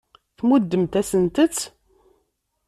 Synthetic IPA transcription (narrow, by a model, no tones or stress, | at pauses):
θmud̪ːəmt̪æsənt̪ət͡sː